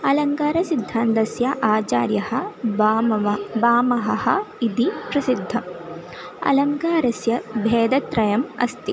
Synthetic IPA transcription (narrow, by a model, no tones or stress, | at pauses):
ɐlɐŋkaːɾɐsid̪ʱːaːnt̪ɐsjɐʔaːt͡ʃa̰ːɾjɐhɐ̆ | baːmɐɦɐhɐid̪ipɾɐsid̪ʱːɐm | ɐ̰lɐŋkaːɾɐsjɐbʱeːd̪ɐt̪ɾɐjɐmɐ̰st̪i